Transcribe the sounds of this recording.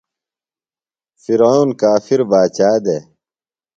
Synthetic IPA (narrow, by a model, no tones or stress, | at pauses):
fiɾaunkaːfiɾbaːt͡ɕaːd̪e